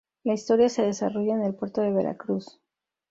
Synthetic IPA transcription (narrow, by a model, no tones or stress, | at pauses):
laist̪o̞ɾjase̞ðe̞saro̞ʝaenelpwe̞ɾt̪o̞ðe̞βe̞ɾa̰kɾus